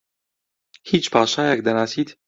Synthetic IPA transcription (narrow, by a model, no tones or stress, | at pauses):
hiːt͡ʃpʰɑːʃɑːjɛk̚d̪ɐnɑːsiːd̪